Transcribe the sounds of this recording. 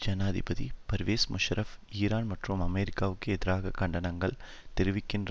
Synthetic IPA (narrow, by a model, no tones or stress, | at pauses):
d͡ʒɐnaːðɪbɐðḭpɐɾʋeːsmʔʊʃɾʔɐfiːɾaːnmɐʈrɯmɐmeːɾɪkːaːʋɯkːɯɛðɪɾaːɣɐkːɐɳɖɐnɐŋɡɐɭ | t̪ɛɾɪʋɪkːɪndr